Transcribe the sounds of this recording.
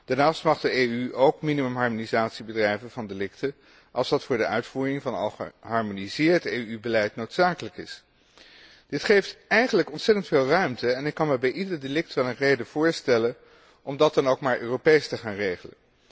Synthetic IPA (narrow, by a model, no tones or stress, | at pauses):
d̥aɹnaːstmɑχdəeyʔowkminimɵmɦɑɹmonizaːtsibədrɛjvənv̥ɑndelɪktə | ʔɑ̰lˠsdɑtfʊːɹdəʔœɥtfuːrɪŋvɑnɑ̰lˠχə̰ɦɑɹmonizɪːɹteːybəlɛjtnowtsaːkələkɪs | d̥ɪtχejftɛjχənləkɔnsɛtəntfeːlˠrœɥmtəɛnɪkːɑnməbɛjʔidəɹdelɪk̚tʋɛlˠənrejdəv̥ʊːɹstɛlən | ʔɔmdɑt̚dɑnowkmaːɹʔøːropejstəχaːnrejχələ̰n